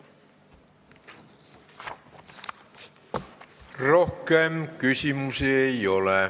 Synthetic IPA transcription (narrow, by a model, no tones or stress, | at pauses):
rohkeemkysymyseiole